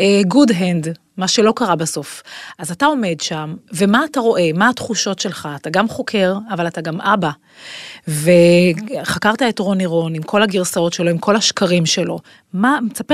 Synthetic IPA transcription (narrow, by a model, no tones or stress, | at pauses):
eɡudɦend̪ | maʃe̞lo̞kaʁabaso̞fazatao̞me̞dʃamve̞maːtaʁo̞ʔe̞maːtχuʃo̞tʃe̞lχaːtaɡamχo̞kʰe̞ʁavalataɡamʔaba | veχakaʁtaetʁo̞niʁo̞nimkʰo̞laɡiʁsao̞tʃe̞lo̞imkʰo̞laʃkaʁimʃelo̞ | mamet͡sap